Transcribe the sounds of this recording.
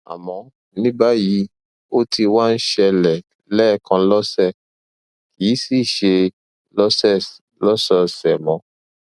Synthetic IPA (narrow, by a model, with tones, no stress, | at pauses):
a̰˨mɔ̃˨˦ | nĩ˦ba˦ji˧˦ | o˦ti˧wa˦˧n̩˦ʃɛ˧lɛ˨ | lɛ˦˨kã˧lɔ˦sɛ˦˨ | ji˨˦si˦˨ʃe˧ | lɔ˦sɛ˦˨s | lɔ˦sɔ˦sɛ˨mɔ̃˨˦